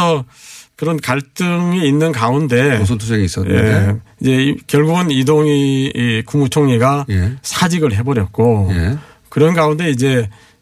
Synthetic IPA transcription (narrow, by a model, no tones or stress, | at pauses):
ʌkɯɾʌnkaɭt͈ɯŋiːnːɯnɡaunde̞sʰʌntʰueɡiis͈ʌje̞̰id͡ʑe̞kjʌɭɡuɡɯnidoŋikumut͡ɕʰoŋɲiɡajsʰad͡ʑiɡɯɭɦe̞bʌɾjʌt̚k͈oe | kɯɾʌnɡaunde̞id͡ʑe̞